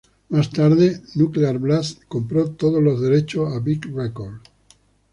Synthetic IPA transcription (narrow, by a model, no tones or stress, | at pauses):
mast̪aɾðenukleaɾβlaskompɾot̪oð̞olozðe̞ɾet͡ʃoaβikrekoɾð